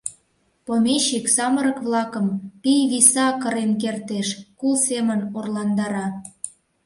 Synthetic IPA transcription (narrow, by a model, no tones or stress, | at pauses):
pomeɕiksɑməɾəkβlɑkə̆mpijβisɑkəɾenkert̪eʃkulsemənorlɑnd̪ɑɾɑ